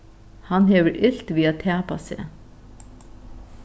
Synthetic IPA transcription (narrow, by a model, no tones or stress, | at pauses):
hanɦɛʋəɾʔɪl̥t̪ʋiːat̪ʰæːpa̰sɛ̰ː